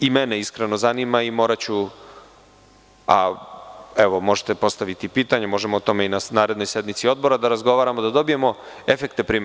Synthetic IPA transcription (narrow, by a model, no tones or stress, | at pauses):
imeneiskɾeno̞zanimaimo̞ːɾat͡ɕu | a̰ | eʋo̞mo̞ʒe̥t̪e̞po̞st̪aʋit̪ipiːt̪aɲemo̞ʒemoot̪o̞me̞inanaːɾe̞d̪no̞jsed̪mit̪sio̞d̪̚boɾad̪aɾazɡo̞ʋaːɾamod̪ad̪o̞bije̞mo | efekt̪epɾiːme